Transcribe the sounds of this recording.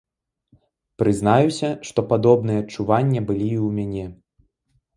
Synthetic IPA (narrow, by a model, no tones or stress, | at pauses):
pɾɨzn̪ajusʲɐʂt̪ɔpad̪ɔbn̪ɨjɐːt͡ʂːuvanʲːɐbɨlʲiːwmʲanʲɛ